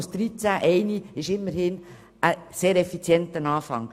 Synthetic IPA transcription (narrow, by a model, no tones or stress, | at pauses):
sd̥ɾit͡sæʔɛɪniɪʃɪmːəɾhɪn | əseːɾɛfit͡sjɛntənɑːfɑ̰ŋ